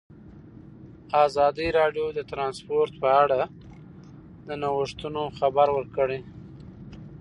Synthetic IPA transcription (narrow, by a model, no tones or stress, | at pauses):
ɑzɑd̪iɾɑɖjod̪ət̪ɾɑnspoɾt̪pəaɽa | d̪ənawəʂt̪unoxabaɾwəɾkəɽe